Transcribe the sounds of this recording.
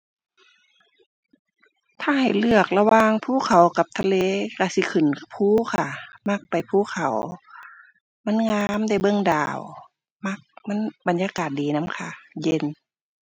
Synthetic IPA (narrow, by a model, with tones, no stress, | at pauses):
t̪ʰaː˧˩ha˨˩jlɯ˧˩ək̚la˧waː˧˥ŋpʰuː˧˨kʰa˨˩wka˧˦p̚t̪ʰa˧leː˧˥˨ka˧˩si˧˦kʰɯ˨˩˨npʰuː˧˥˨kʰa˧˩ma˧˥˩k̚pa˨jpʰuː˧˥˨kʰa˨˩w | ma˧˥˨nŋaː˧˥˨mda˧˩jbɤ˧˨ŋdaː˨˩w | ma˧˥˩k̚ma˧˥˨nba˨njaː˧˦kaː˨˩t̪̚diː˨na˧˥˨mkʰa˧je˧˨n